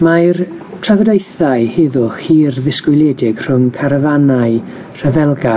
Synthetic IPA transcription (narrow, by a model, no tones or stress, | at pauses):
maɨr | tʰravədejθaɨhɪðʊχhiːrðɪskwɪlˠjɛdɪɡ̥r̥ʊŋkʰaɾəvanaɨ | r̥əvɛlˠɡa